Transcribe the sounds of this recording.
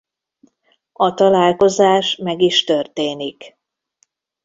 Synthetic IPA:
ɒt̪ɒlaːlko̞zaːʃmɛɡiʃt̪ørt̪eːnik

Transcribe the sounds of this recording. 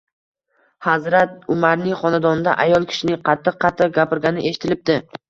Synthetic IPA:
hazɾat̪̚ʊmaɾnɪŋχɒnad̪ɒnd̪a̰ʔajɒlˠkʲʰɪ̥ʃɪnɪŋqʰɑt̪ʰːɨq̚ːɑt̪ʰːɪq̚ɡʲapɪɾɡʲanɪʔe̞ʃɪt̪ʰɪlɪp̚d̪ɪ

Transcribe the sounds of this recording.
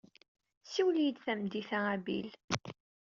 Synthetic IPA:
siwljəd̪θæmd̪iθaʁæbḭl

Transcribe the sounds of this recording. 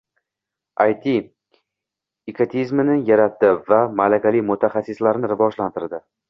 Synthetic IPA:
ajt̪ʰi | ɪkʰat̪ʰizmɪnɪjaɾat̪ːɪvamalakʲalimʊt̪ʰaχasːɪslaɾnɪɾɪvɒʒlant̪ɪɾd̪ɪ

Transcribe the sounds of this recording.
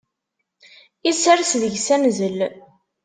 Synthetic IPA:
isæɾsðəʝsæmzəl

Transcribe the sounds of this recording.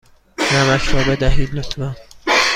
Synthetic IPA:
næmæʃɾɒːbed̪æɦiːd̪lot̪ʰvæn

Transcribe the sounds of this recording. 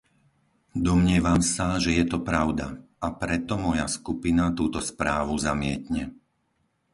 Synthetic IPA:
d̪ɔmɲɪɛʋamsaʒɛjɛt̪ɔpɾaʊd̪a̰apɾɛt̪ɔmɔjaskupinat̪uːt̪ɔspɾaːʋuzamɪɛt̪ɲɛ

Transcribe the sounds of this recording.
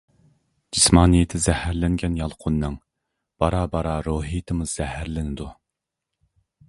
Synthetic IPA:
d͡ʒismɑːnɨjɪt̪ʰɪzɛhæɾlɪŋɡʲɛnjɑlˠqʰʊnːɨŋ | b̥ɑɾɑːbɑɾɑːɾoɦijɪt̪ʰɨmuz̥ɛhæɾlɪnɪd̪u

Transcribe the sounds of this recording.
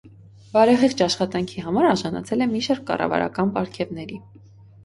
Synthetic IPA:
bɑɾɛʁiʁt͡ʃʰɑʃχɑt̪ɑŋkʰiɦɑmɑɾɑɾʒɑnɑ̰t͡sʰɛlɛmiʃɑɾkːɑ̰rɑ̰vɑ̰ɾɑ̰kɑnpɑɾkʰɛvnɛɾi

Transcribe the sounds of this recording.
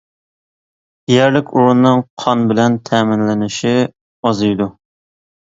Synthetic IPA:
jɛɾlɪkʲuɾunːɨŋqʰɑnbɪlɛnt̪ʰɛmɪnlɪnɪʃi | ɑzɨjd̪u

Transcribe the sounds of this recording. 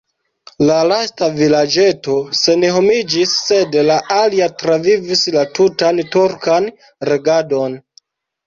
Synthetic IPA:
lalastavilad͡ʒe̞to̞se̞neɦo̞mid͡ʒisːe̞dlaʔaliatɾavivislatutantuɾkan | ɾe̞ɡado̞n

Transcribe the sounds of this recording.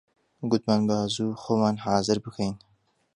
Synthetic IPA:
ɡʊd̪̚maːnbazuːxoːmaːnhaːzɨɾbɨkʰejn

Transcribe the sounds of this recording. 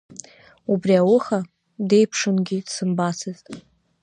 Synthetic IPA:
ubriawʊχa | de̞jpʰʂɨnɡʲɪdsɨmbasʰɨztʼ

